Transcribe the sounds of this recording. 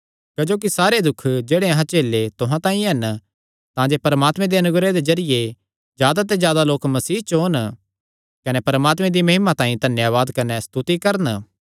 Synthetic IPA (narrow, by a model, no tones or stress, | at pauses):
kɐd͡ʒoːk̬isaːɾed̪ʊkʰːd͡ʒeːɽeɐɦãt͡ʃeːlːet̪ʊɦãt̪ãːĩɦɐn | t̪ãd͡ʒeːpɐɾəmaːt̪mẽd̪eɐnʊɡɾed̪ed͡ʒɐɾɪje | d͡ʒjaːd̪at̪̬ezjaːd̪aloːkmɐsiːɦt͡ʃon | kɐnepɐɾəmaːt̪mẽd̪imɐɦɪmãt̪ãːĩd̪ʱɐnjaːʋaːd̪kɐnest̪ʊt̪ikɐɾən